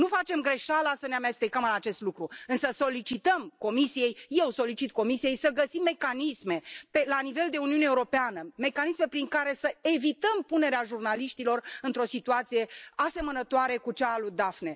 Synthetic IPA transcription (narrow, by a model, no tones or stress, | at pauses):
nufat͡ʃe̞mɡɾe̞ʃalasəneame̞st̪ekəmɨnat͡ʃe̞st̪lukɾuɨnsəso̞lit͡ʃit̪əmko̞misije̞jje̞wso̞lit͡ʃit̪̚ko̞misije̞jsəɡəsimːe̞kanisme̞pelanive̞ld̪e̞uniuneuɾo̞peanəme̞kanisme̞pɾiŋkaɾe̞səe̞vit̪əmpune̞ɾeaʒurnaliʃt̪ilo̞rɨnt̪ɾo̞sit̪uat̪sije̞ase̞mənət̪oaɾe̞kut͡ʃaːlud̪afne